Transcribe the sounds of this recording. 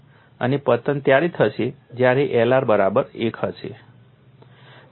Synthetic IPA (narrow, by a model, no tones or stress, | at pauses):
ə̰nepət̪ənt̪jaɾit̪ʰət͡ʃʰe | d͡ʒjaɾiʔɛlaɾbəɾabəɾekʰət͡ʃʰḛ